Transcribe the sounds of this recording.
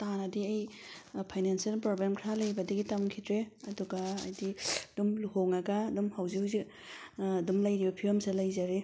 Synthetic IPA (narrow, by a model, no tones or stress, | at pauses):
tanɐdiɐjpʰajnenselpɾoblemkʰɾalɐjbɐdɐɡitamkʰidɾeɐduɡaːjdidumluhoŋɐɡɐːdumhawzihuwzik̚ː | dumlɐjɾibɐpʰiɾɐmselɐjzaɾe